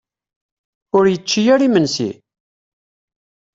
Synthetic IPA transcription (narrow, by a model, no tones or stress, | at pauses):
ʊɾjət͡ʃːijæɾimənsḭ